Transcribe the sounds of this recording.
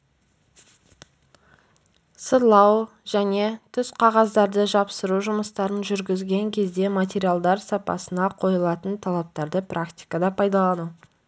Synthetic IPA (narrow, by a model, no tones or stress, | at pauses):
səlˠɑw | ʒæne̞t̪ʰʏsqʰɑʁɑzd̪ɑɾd̪əʒɑpsəɾuʒʊməst̪ɑɾənʒʏɾɡʲɪzɡʲe̞ŋkʲʰe̞zd̪e̞mat̪̬ʲe̞ɾijalˠd̪ɑɾsɑpɑ̰sənɑqʰo̞jəlˠɑt̪ənt̪ʰɑlˠɑp̚t̪ɑɾd̪əprʔakt̪ʲi̥jkad̪ɑpʰɑjd̪ɑlˠɑnu